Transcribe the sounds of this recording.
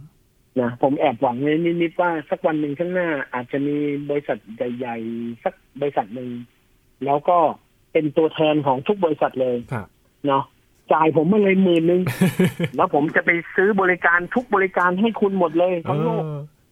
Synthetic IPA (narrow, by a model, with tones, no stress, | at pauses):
na˦˥pʰo˩˦mʔɛː˨˩p̚wa˨˩˦ŋlɤː˧˥jniː˦˥˩ni˦˥t̪̚waː˥˩sa˦˥˩k̚wa˧nːɯ˨˧ŋt̪ʰaː˥˩ŋ̚naː˥˩ʔaː˨˩t̪̚t͡ɕa˨˩ʔmiː˧bɔː˧ɾi˧˥sa˨˩t̪̚ja˨˩jːa˨˩jsa˦˧˩k̚bɔː˧i˧sa˨˩t̪̚nɯ˨˧ŋ | lɛː˦˥wkɔː˥˩ | pe˧nt̪u˧ɐt̪ʰɛː˧nkʰɔː˩˦ŋt̪ʰu˦˥k̚bɔː˧li˧˥sa˨˩t̪̚lɤː˧jʰ | nɔ˦˥ | t͡ɕaː˨˩jpʰo˩˦mːɯ˧˥˩ŋlɤː˧jmɯː˨˩nːɯ˨˧ŋlɛː˦˥wpʰo˩˦mt͡ɕa˨˩pa˧jsɯː˦˥bɔː˧li˦˧kaː˧nt̪ʰu˦˥k̚bɔː˧li˦˥kaː˧nɦa˥˩jkʰu˧nmo˨˩t̪̚lɤː˧jt̪ʰa˥˩ŋloː˥˩k̚